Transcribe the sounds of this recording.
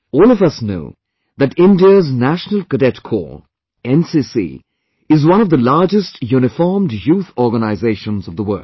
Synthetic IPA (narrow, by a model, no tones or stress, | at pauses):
ɔːlˠʌvʌsno̰ʊ | ðɨtɪ̃ndiəznæʃnəl̩ˠkədɛtkʰɔ̰ɹ | ɛ̃nsisḭ | ɪzwʌ̃ñʌvðəlɑɹd͡ʒɨstjunɨfɔɹmdjuθɔɹɡənaɪzeɪʃə̃nzʌvðəwɜ̰˞